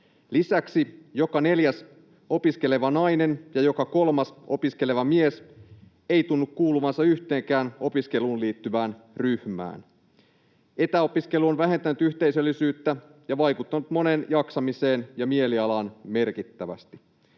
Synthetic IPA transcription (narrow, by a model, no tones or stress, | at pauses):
lisæksijo̞kɑne̞ljæs | opiske̞le̞ʋɑnɑjne̞njɑjo̞kɑko̞lmɑso̞piske̞le̞ʋɑmies | e̞it̪unːukkuːlumɑnsɑyht̪e̞ːŋkæːno̞piske̞luːnliːt̪ːyʋæːnryhmæ̰ːn | e̞t̪æo̞piske̞luo̞nʋæɦe̞nt̪ænyt̪yçt̪e̞isø̞lːisyːt̪ːæ | jɑʋɑjkut̪ːɑnut̪mo̞ne̞njɑksɑmise̞ːnjɑmie̞liɑlɑːnme̞rkit̪ːæʋæ̰st̪i